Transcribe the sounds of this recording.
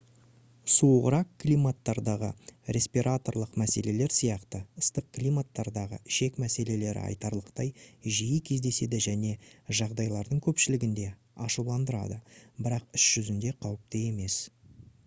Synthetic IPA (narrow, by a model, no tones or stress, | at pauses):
suʁəɾɑqklʲijmat̪ːɑɾd̪ɑʁə̰ɾe̞spiɾʔat̪o̞rlˠəqmæse̞le̞le̞ɾsijɑqt̪əəst̪əq̚klʲijmat̪ːɑɾd̪ɑʁə̰ʃe̞kmæse̞le̞le̞ɾɪ̰ɑ̰jt̪ɑɾlˠəqt̪ɑjʒijɪkʲʰe̞zd̪e̞se̞d̪ɪʒæne̞ʒɑʁd̪ɑjlˠɑɾd̪əɴkʲʰɵpʃɪlɪɡʲɪnd̪e̞ | ɑʃulˠɑnd̪əɾɑ̰d̪əbɪɾɑqʏsʒ̥ʏzɪnd̪e̞qʰɑwəp̚t̪əje̞me̞s